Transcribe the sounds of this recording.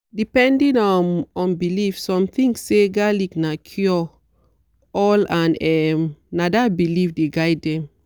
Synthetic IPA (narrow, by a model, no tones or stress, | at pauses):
dipɛ̃ndĩnɔnɔ̃nbilifsɔ̃mθĩŋseɡaliknakʰjɔ | ɔlãnɛmnadabilifdeɡajdɛ̃m